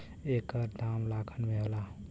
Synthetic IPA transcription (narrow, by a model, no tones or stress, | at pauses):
ekəɾd̪amlakʰənmeɦola